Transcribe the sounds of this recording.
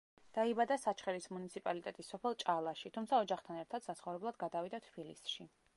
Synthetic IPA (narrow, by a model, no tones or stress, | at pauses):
d̪̥aibad̪asat͡ʃχɛlismunit̪sʰipʼalit̪ʼɛt̪ʼisːɔpʰɛlˠt͡ʃʼalˠaʃit̪ʰumt̪sʰaɔd͡ʒaχt̪ʰanɛɾt̪ʰad̪̥sat̪sʰχɔvɾɛblˠad̪ɡad̪avid̪at̪ʰb̥ilisʃi